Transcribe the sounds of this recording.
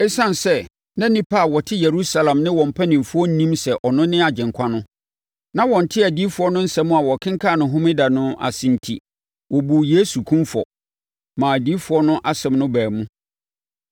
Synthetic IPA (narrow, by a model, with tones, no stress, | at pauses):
ɛ˦sã˦n˨sɛ˦ | nã˦nĩ˦pʰa˦˨wɔ˨tʰɪ˦je˨ɾu˦sa˦lã˨mnɪ̃˦wɔ̃˨m̩˨pʰɛ˦nĩ˨mfʊ˦ɔ˦n̩˦nĩ˦msɛ˨ʔɔ˨nʊ̃˦nɪ̃˦a˨d͡ʑɪ̃˨ŋ˨kʷʰa˦nʊ̃˦ | nã˦wɔ̃˨n̩˨tʰɪ˦æ˨diː˦fʊ˨˦ɔ˦nʊ̃˦n̩˦sɛ˦mũ˦a˨wɔ˨kʰɪ̃˦ŋ˦kʰa˦˨nʊ̃˨ɦʊ̃˦mɪ̃˦da˨nʊ̃˦a̰˨sĩ˨n˨tʰḭ˨ | wɔ˨bu˨je˦su˨kʰũ˦mfɔ̰˨ | mãː˨æ˨di˦fʊ˨˦ɔ˦nʊ̃˦ʔa˨sɛ̃˨mnʊ̃˦bæː˨mũ˦